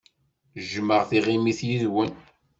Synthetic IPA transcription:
ʒməʁθiʁimiθjiðwən

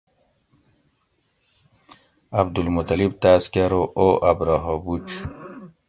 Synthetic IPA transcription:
abd̪ulmut̪ɐlib̚t̪aːskaɾoʔoʔabɾaɦobut͡ʃ

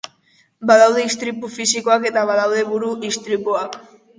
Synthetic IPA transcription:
baðawðeist̪ɾipufisikoake̞t̪aβaðawðe̞βuɾuist̪ɾipuak

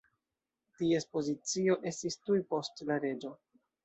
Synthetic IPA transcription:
tie̞spo̞zit͡sio̞ʔe̞stistujpo̞stlaɾe̞d͡ʒo̞

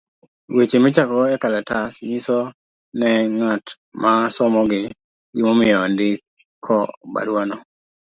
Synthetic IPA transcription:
wet͡ʃemɪt͡ʃakɔɛkalɛtasɲisɔ | nɛŋat | masɔmɔɡɪ | ɡɪmomɪjɔndɪ | kʰːɔba̰ɾwanɔ

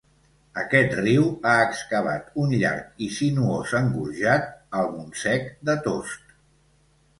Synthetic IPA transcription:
əkɛt̪riwaəkskəβ̞a̰t̪unʎa̰ɾkisinuozəŋɡuɾʒat̪̚əlˠmunsɛkd̪ət̪ost̪

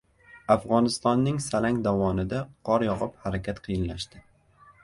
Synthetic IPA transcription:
afʁɒnɪst̪ɒnːɪŋsalaŋd̪avɒnɪd̪aqʰɒɾjɒʁɨphaɾakʲʰat̪qʰɨjɪnlaʃt̪ɪ

